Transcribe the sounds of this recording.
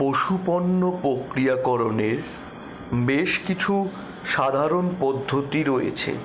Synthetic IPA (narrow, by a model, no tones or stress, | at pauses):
poʃuponːopɾokɾijakɔɾoneɾ | beʃkit͡ɕʰu | ʃad̪ʱaɾonpɔd̪ʱːot̪iɾojḛt͡ɕʰḛ